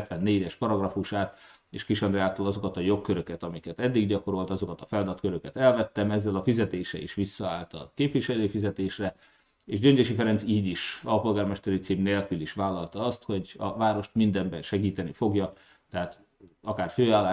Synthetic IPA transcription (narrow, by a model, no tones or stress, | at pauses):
t̪ʋɛnːeːɟɛʃpɒɾɒɡrɒfuʃaːt̪ | ḛːʃkɾiʃɒnd̪rɛaːt̪olɒzo̞kɒt̪ɒjo̞kːøɾøkɛt̪ɒmikɛt̪ɛd̪ːiɡɟɒko̞ɾo̞lt̪ɒzo̞kɒt̪ɒfɛld̪ɒt̪køɾøkɛt̪ɛlvɛt̪ːɛmɛzːɛlɒfizɛt̪eːʃɛ̰ḭʃʋisːɒaːlt̪ɒ̰keːpʋiʃɛløːfizɛt̪eːʃrɛ | eːʒɟø̞ɲɟ̪eʃifɛɾɛnt̪siːɟiʃɒpo̞lɡaːrmɛʃt̪ɛɾit̪siːmneːlkyliʃʋaːlːɒlt̪ɒɒst̪ho̞ɟɒ̰vaːɾo̞ʃt̪mind̪ɛmbɛnʃɛɡiːt̪ɛnifo̞ɡjɒ | t̪ɛɦaːt̪ | ɒkaːrføːaːlːaː